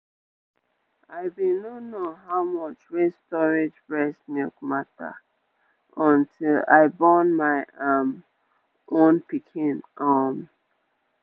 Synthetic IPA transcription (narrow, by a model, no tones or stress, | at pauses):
aɪbĩnonoɦaʊmɔt͡ʃɹistɔɹed͡ʒbɹɛsmikmata̰ | ɔ̃ntʰila̰ɪbɔnmaɪam | ʔõnpikʰĩnʔam